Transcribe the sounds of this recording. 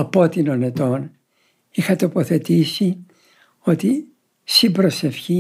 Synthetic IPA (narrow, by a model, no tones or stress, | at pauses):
ɐpo̞t̪inone̞t̪o̞n | ixɐt̪o̞po̞θe̞t̪isi | o̞t̪i | sibɾo̞se̞fçi